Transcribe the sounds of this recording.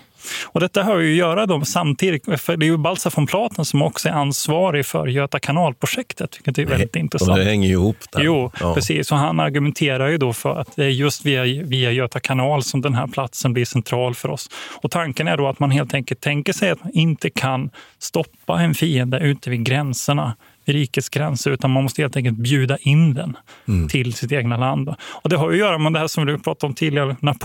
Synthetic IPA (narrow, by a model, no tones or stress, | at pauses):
ɔd̪ɛt̪ːaɦɑɾvɪjɵjœːɾad̪ɔmsamt̪ʰiːd̪ɪfœɖɛːjɵbalsafɔmpʰlɑːt̪ʰənsɔmɔksɔæɾansvɑːɾɪfœ̰ɾjøːt̪akʰanɑːlpʰɾʊʂɛkt̪ʰət̪vɪkːət̪̚d̪ɛːɾvɛld̪ɪt̪ɪnt̪ɾɛsad̪ɛhɛŋːəjɪhuːpːd̪juːpɾɛsḭːsɔɦanaɾɡɵmɛnt̪ʰeːɾaɾjɵd̪ɔfœ̰ɾa̰t̪̚d̪ɛæɾjɵst̪viːaviːajøːt̪akʰanɑːlsɔmd̪ɛnɦæ̰ːɾpʰlat̪sənblɪʂɛnt̪ʰɾɑːlfœɾɔ̰sɔt̪ʰaŋkənæɖɔat̪manɦeːlt̪ʰɛŋkəlt̪ʰːɛŋkəʂɛjat̪manɪnt̪əkʰanst̪ɔpːaɛnfiːənd̪əʉ̟ːt̪əvɪːd̪ɡɾɛnsəɳa | vɪɾiːkət̪sɡɾɛnsəɾʉ̟ːt̪anmanmɔst̪əheːlɛŋkəlt̪̚bjʉ̟ːd̪aʔɪnd̪ɛnt̪ʰɪlsɪt̪eːɡnaland̪ɔɔd̪ɛɦajɵjœːɾamɛd̪ɛɦæːʂɔmvɪd̪ɵpʰɾɑːt̪aɾɔmt̪ʰiːd̪lɪɡanapʰ